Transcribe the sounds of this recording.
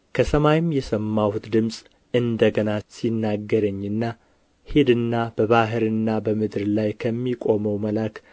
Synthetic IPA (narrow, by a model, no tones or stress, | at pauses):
kʰəsəmajɪmjɛsəmːahut̪d̪ɨmsʼ | ɨnd̪əɡənasinːaɡːəɾəɲːɨnːa | hed̪ɨnːabəβaɦɨɾɨnːabəmɨd̪ɾlajkʰəmːikʼo̞məwməlak